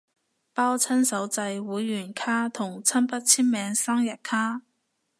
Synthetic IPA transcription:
paː˥wt͡sʰɐ˥nsɐ˨˥wt͡sɐ˧jwuː˨˥jːyː˨˩nkʰaː˥t̪ʰʊ˨˩ŋt͡sʰɐ˥npɐ˥t̚t͡sʰiː˥nmɛː˨˧ŋsa˥ŋjɐ˨t̚kʰaː˥

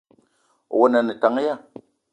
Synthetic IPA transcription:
wo˦na˨ni˨ta˨˦ŋ˦ja˦˨

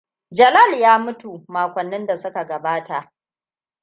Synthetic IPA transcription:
d͡ʒɐ˨lɐ˦˨ljaː˦mʊ˦tu˨maː˨kʷɐ˨nːɪ˦nda˨sʊ˦ka˨ɡɐ˨baː˦ta˨ʔ

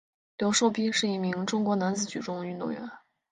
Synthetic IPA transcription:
ljo˧˥ʊʂo˥˩ʊpi˥ʂɻ̩˥˩i˧˥mi˧˥ŋʈ͡ʂʊ˥ŋkwɔ˧˥na˧˥nt͡sɹ̩˧˥t͡ɕy˨˩ʈ͡ʂʊ˥ŋy˥˧nt̪ʊ̰˥˩ŋɥɛ̰˧˥n

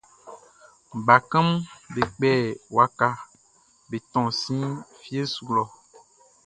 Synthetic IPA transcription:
ɡ͡ba˨kə̃˦mbe˨k͡pɛ˦˨wa˨ka˦ | be˨t̪ɔ̃˨sĩ˦fi˦e˦su˨lɔ˨

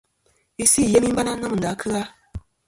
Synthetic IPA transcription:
i˨si˦˨je˦mi˦m˦ba˦na˦na˦mɨ˨n˨da˨˦kʰɨ˦ɣa˦

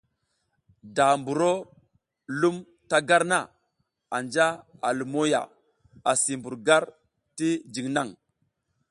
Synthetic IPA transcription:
da˨mbu˨ɾo˦ | lu˦m | ta˦ɡa˦ɾna˦˨ | a˨nd͡ʒa˦a˨lu˨mo˦ja̰˨ | a˨si˨mbu˨ɾɡa˦ɾ | ti˦d͡ʒi˨ŋna˦˨ŋ

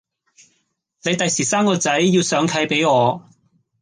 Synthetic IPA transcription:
ne˨˧jt̪ɐ˨jsiː˨˩saː˥mkɔː˧t͡sɐ˨˥jːiː˧wsœː˨˧ŋkʰɐ˨˥jpe˨˥jŋɔː˨˧

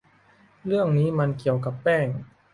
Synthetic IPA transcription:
ɾɯ˥˩əŋniː˦˥ma˧nki˨˩əwka˨˩pːɛː˥˩ŋ

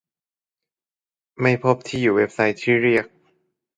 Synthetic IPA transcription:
ma˥˩jpʰo˦˥p̚t̪ʰiː˥˩juː˨˩we˦˥p̚sa˧˥jt̪ʰːiː˥˩ɾi˥˩ək̚

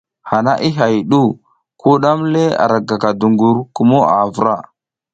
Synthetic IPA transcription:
ha˨na˦ʔi˦ɦa˨jɗu˦˨ | ku˦ɗa˦mle˦a̰˨ɾa˨ɡa˨ka˨du˨ŋɡu˨ɾku˨mo˦a˨və˨ɾa˦˨

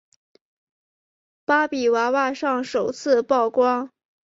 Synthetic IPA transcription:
pa˥pi˨˩wa˧˥wa˥˧ʂɑ˥˩ŋʂo˨˩ʊt͡sʰɹ̩˥˧pɑ˥˩ʊkwɑ˥ŋ

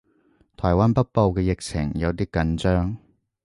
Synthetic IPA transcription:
t̪ʰɔː˨˩jwaː˥npɐ˥t̚po˧wkɛː˧jɪ˨k̚t͡sʰɪ̰˨˩ŋjɐ˨˧wt̪iː˥kɐ˨˥nt͡ʃœː˥ŋ

